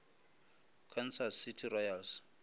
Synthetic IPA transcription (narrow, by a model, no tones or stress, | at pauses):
kʰɔnsasitʰirɔjals